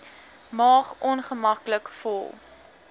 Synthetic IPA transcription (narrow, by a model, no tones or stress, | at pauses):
mɑːχʔɔnχəmɐkləkfɔlˠ